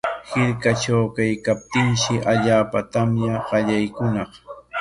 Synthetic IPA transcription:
hɪɾkat͡ʃawkajkap̚t̪ɪŋʃɪʔaʎaːpat̪amjaɢɑʎajkʊnɑχ

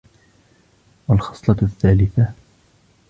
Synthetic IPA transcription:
walxɑ̥sˤlɑθːaːlɪθa

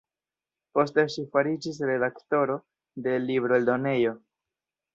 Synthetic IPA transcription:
po̞ste̞ʃifaɾid͡ʒis̬ɾe̞dakto̞ɾo̞ | de̞libɾoeldo̞ne̞jo̞

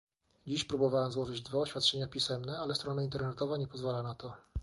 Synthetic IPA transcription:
d͡ʑiɕpɾubɔvawɛmzwɔʐɘd͡ʑd̪vaɔɕfʲjat̪̚t͡ʂɛɲapʲisɛmnɛalɛst̪ɾɔnaint̪ɛɾnɛt̪ɔvaɲɛpɔzvalanat̪ɔ

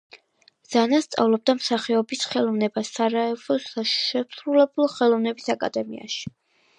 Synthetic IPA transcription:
z̥anast̪sʼa̰vlˠɔb̚d̪amsaχiɔbisχɛlˠɔvnɛbasaɾaɛvɔʃɛsɾulɛbulˠχɛlˠɔvn̪ɛbisakʼa̰d̪ɛmḭa̰ʃi̥

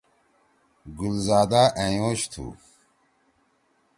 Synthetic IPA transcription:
ɡulzaːd̪aʔẽjoːɕt̪ʰṵ

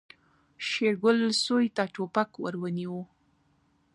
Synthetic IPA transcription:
ʃeɾɡʊlsojt̪aʈopakwə̰ɾwəniwu

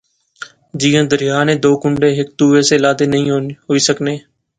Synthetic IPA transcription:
d͡ʒiːjãːd̪əɾɪjaːnẽːd̪oːkʊɳɖẽːɦɪk̚t̪uːʋeːseːlaːd̪eːnəɦĩːɦoːiːsəkneː

